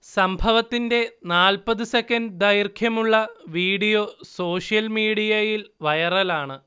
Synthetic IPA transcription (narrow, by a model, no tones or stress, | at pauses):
sɐmbʱɐʋɐt̪ːinde̞naːlpɐðɨsekːɐnɖd̪ɐjrkʰjɐmuɭːɐʋiːɽijo̞ːso̞ːʂjɐlmiːɽijɐjilʋɐjɐrɐlaːɳɨ